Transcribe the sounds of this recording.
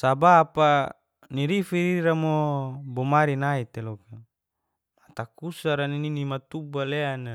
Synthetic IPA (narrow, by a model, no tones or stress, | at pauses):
sabapa | niɾifiɾiɾamobomaɾinait̪eloka | mat̪akusaɾanininimat̪ubaleana